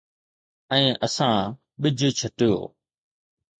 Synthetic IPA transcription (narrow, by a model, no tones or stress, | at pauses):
ɛ̃ːʔəsãː | ɓɪd͡ʑʱt͡ɕʰəʈɪjo̰ː